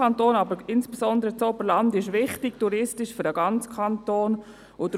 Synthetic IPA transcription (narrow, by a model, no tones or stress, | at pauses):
ɑntoːnɑbəɾɪnsb̥esɔnd̪əɾət͡sobəɾlandɪʃvɪχtɪk̚tuɾɪstɪʃfʏɾəɡ̥ɑnt͡skʰɑntoːn | ʊd